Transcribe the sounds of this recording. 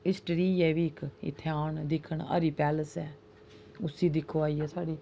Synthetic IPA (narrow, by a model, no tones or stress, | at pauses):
ɪsʈəɾiːɛːʋiːɪkɪ̰t̪ʰːaːɳd̪ɪkʰːəɳə̰ɾiːpɛːləsɛː | ʊsiːd̪ɪkʰːoːaːiːɛːsaːɽiː